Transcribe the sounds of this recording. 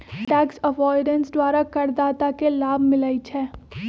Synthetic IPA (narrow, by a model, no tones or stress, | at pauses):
ʈɛːksɐʋɔːɪɖə̃nsd̪wʋaːɾakɐɾd̪aːt̪akelaːbʱmɪlait͡ʃʰɛː